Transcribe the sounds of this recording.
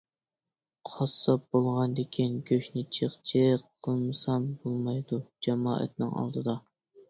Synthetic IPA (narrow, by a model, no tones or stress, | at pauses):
qʰɑsːɑp̚b̥olˠʁɑnd̪ekʲʰinɡʲøʃnɪt͡ʃʰəχt͡ʃʰeqʰːəlˠmɨsɑmbolˠmɑjd̪ud͡ʒɛmɑːʔɛ̰t̪̚nɪ̰ŋɑ̰lˠd̪ɨd̪ɑ